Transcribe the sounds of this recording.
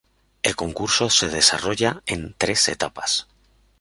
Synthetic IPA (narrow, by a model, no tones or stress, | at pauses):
elko̞ŋkuɾso̞se̞ð̞e̞sa̰roʝae̞nt̪ɾe̞se̞̰t̪apas